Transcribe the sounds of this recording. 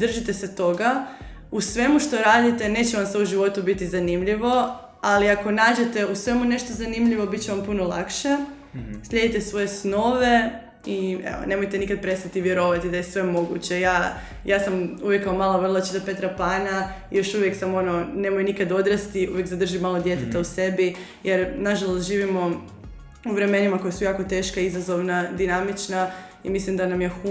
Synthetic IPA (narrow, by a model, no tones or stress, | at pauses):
d̪r̩ʒit̪eset̪o̞ɡa | usʋe̞muʃt̪o̞ɾaːd̪it̪e̞ne̞ːt͡ɕeʋamseuʒiʋo̞t̪ubit̪izanimʎiʋo̞ | aliako̞naːd͡ʑe̞t̪e̞usʋe̞mune̞ʃt̪o̞zanimʎiʋo̞bit̪̚t͡ɕeʋampunolˠa̰kʃe̞ | sʎʲe̞d̪it̪esʋo̞je̞sno̞ʋe̞ | iḛʋo̰ne̞mo̞jt̪enikad̪̚pɾe̞st̪at̪iʋjeɾoʋat̪id̪ajesʋe̞mo̞ɡṵt͡ɕe̞jaː | jaːsamuʋjekːaomaːlˠaʋr̩lˠat͡ʃit̪ape̞t̪ɾapaːna | ijo̞ʃuʋjeksamoonone̞mojnikad̪o̞d̪ɾast̪iuʋjekzad̪r̩ʒimaːlˠod̪je̞t̪et̪ause̞bi | jeɾnaʒalˠost̪ʒiːʋimo̞ | uʋɾe̞me̞nimako̞jesujaːko̞t̪e̞ːʃkaizazo̞ʋnad̪inamit͡ʃna | ḭmislimd̪anamjexu